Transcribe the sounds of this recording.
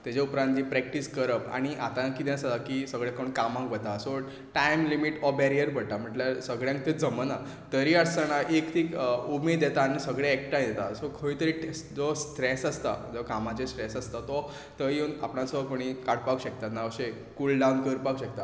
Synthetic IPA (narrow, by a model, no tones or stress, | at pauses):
t̪ad͡ʑeupɾãnt̪d͡ʑipɾɛk̚ʈiskəɾəpa̰ɽ̃iʔat̪ãkid̪ẽsad̪akisəɡɭẽkoɳkamãŋkʋət̪asɔ | ʈajmlimiʈɔbɛɾijəɾbʱəɽt̪am̤əʈlaɾsəɡɭjãŋk̚t̪ed͡zəməna | t̪əɾiaɽsəɳ̃aʔekt̪ʰiːumed̪jɛt̪aːñisəɡɭẽːk̚ʈãj̃d̪ɛt̪asɔkʰəit̪əɾiʈd͡zɔsʈɾesast̪a̰d͡zɔkamat͡ɕesʈɾesast̪at̪ɔ | t̪əinapnãsɔkoɽ̃ikaɽpakwɕek̚t̪at̪naəɕe | kulɖawnkəɾpakwɕək̚t̪a